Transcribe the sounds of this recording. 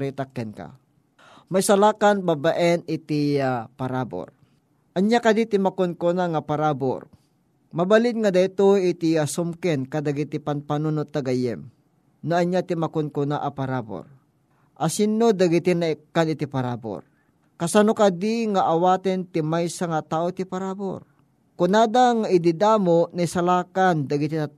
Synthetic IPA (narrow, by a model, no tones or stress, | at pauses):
ɾɛt̪akːɛnka̰ | majsalaːkanbabaʔɛnɪt̪ɪjapaɾaːbo̰ɾ | ʔɐɲjakad̪it̪ɪmakʊnkonaŋapaɾaːbo̰ɾ | mɐbalɪd̪̚ŋad̪ajt̪oɪt̪ɪasʊmkɛnkad̪aɡit̪ɪpanpanʊnʊt̪ːaɡajɛ̰m | noʔɐɲjat̪ɪmakonkʊnaʔapaɾabo̰ɾ | ʔasinːod̪aɡɪt̪ɪnaɛkːanɪt̪ɪpaɾaːbo̰ɾ | kasanokad̪ɪŋaʔːwaːt̪ɛnt̪ɪmajsaŋat̪aːʔot̪ipaɾabo̰ɾ | kʊnaːd̪aŋaʔɪd̪ɪd̪aːmoʔnaisalaːkand̪ɐɡɪt̪ɪna